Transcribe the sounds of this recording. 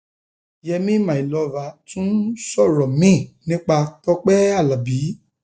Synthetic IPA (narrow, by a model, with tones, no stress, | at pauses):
jɛ˧mĩ˦mã˨i˨lɔ˨˦va˨˦tũ˦sɔ˦˨ɾɔ˨mĩ˦˨nĩ˦k͡pa˧tɔ˦k͡pɛ˦a˦˨la˨bi˨˦